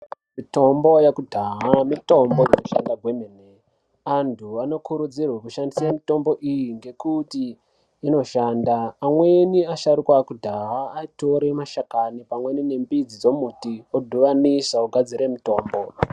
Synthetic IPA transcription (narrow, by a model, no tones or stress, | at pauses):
mito̞mbo̞jakudʱaɦamito̞mbo̞jinoʃa̰ndaɡʱwemene | antʰuano̞kuɾud͡zirwakuʃandisamito̞mbo̞ʔijiŋɡe̞kutiː | no̞ʃaːndaːmwe̞niaʃaɾukwakudʱaɦaːito̞ɾe̞maʃakanipamwe̞nine̞mbid͡zid͡zomutiodʱuʋanisauɡʱad͡ziɾe̞mito̞ːmbo